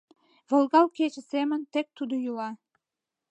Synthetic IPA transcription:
və̆lɣɑlket͡ɕə̆semənt̪ek̚t̪ud̪ojulɑ

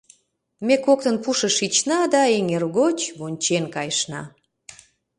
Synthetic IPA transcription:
mekok̚t̪ənpuʃəʃit͡ɕnɑd̪ɑeŋerɣot͡ɕβonʲt͡ɕenkɑjʃnɑ̰

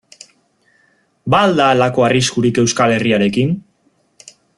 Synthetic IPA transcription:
baːld̪aːlako̞ariskuɾike̞wskale̞riaɾe̞kin

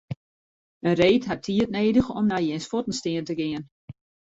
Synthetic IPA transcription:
ənreːtɦatʰiətneːdəxɔ̰mnajɛnsfotən̩stɪəntəɡɪən

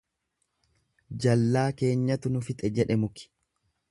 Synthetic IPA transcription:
d͡ʒɐlːaːke̞ːɲːɐt̪ʊnʊfɪt̪ʼɛd͡ʒɛᶑɛmʊkɪ̥

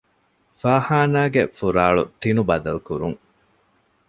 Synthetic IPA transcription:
faːhaːnaːɡefuɾaːɭṵt̪inubɐd̪ɐlkuɾuŋ

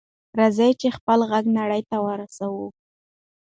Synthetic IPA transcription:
ɾazajt͡ʃexpəlɣaɡnaɽəjt̪awəɾasawu

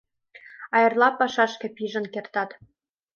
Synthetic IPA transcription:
ɑjɤ̆rlˠɑpɑʃɑʃkɘ̆pʲiʒɤ̆nkert̪ɑt̪

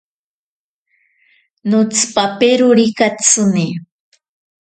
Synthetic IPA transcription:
nʊt͡spapeɾʊɾikat͡sɨni

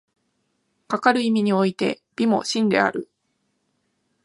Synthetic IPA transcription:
kakaɾɯ̟imʲiɲ̟io̞it̪e̞̰ | b̥ʲimo̞̰ɕĩnd̪e̞̰a̰ɾɯ̟

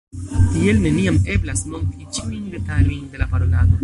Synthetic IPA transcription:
tie̞lne̞niame̞blasmo̞ŋkit͡ʃiujnde̞talojnd̪e̞lapaɾonado

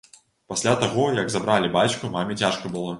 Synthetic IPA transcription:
pasʲlʲat̪aɣɔjɐɡzabɾalʲibat͡ʃkumamʲit͡sʲaʂkɐbɨlˠɔ

